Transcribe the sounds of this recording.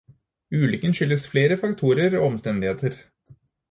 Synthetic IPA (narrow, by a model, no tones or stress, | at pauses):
ʉːlʏkənʃʏlːəsfleːɾəfɑkt̪ʰuːɾəɾo̰ːɔmst̪ɛnd̪ɪheːt̪əɾ